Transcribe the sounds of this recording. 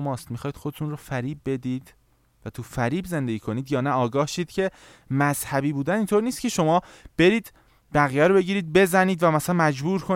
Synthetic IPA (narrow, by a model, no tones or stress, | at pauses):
mɒːst̪mixɒːjid̪̥xo̞d̪et̪ʰunrofæɾiːb̚ːe̞d̪iːd̪̥ | væt̪ʰufæɾiːbze̞nd̪e̞ɟiːkʰo̞niːd̪jɒːnæɒːɡɒːhʃiːd̪̥cʰe̞ | mæz̥hæbiːbuːd̪ænint̪ʰoːɾniːst̪̚cʰe̞ʃo̞mɒː | b̥e̞ɾiːd̪ | b̥æɣijæɾobe̞ɟiːɾiːd̪̚be̞zæniːd̪væmæsælænmæd͡ʒbuːɾkʰo